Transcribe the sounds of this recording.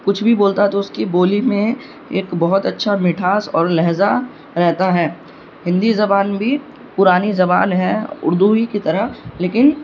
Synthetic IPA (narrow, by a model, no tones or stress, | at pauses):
kʊt͡ʃʰbʱiboːlt̪aɦɛt̪oʊskiboːlimẽ | eːkbɐɦʊt̪ɐtːʃʰamɪʈʰaːsɔːɾlɛɦza | ɾɛɦt̪aɦɛː | hɪ̃nd̪izɐbaːnbʱi | pʊɾaːnizɐbaːnɦɛʊ̰ɾd̪uikit̪ɐɾəɦleːkɪn